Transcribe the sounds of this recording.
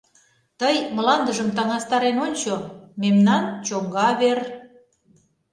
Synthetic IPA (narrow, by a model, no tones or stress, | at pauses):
t̪əjməlɑnd̪əʒəmt̪ɑŋɑst̪ɑɾenonʲt͡ɕomemnɑnt͡ɕoŋɡɑβer